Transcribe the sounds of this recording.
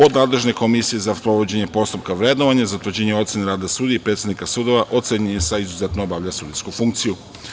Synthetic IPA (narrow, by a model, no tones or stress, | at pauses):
o̞d̪naːd̪le̞ʒne̞ko̞misije̞zaspɾoʋod͡ʑe̞ɲepo̞st̪upkaʋɾe̞d̪noʋaɲazat̪ʋɾd͡ʑeɲeo̞t̪sje̞neɾaːd̪asuːd̪ijeipɾe̞t̪sed̪nikasuːd̪o̞ʋaʔo̞t̪seɲeesaizuze̞t̪noobaʋʎasuːd̪iskufuŋkt̪siju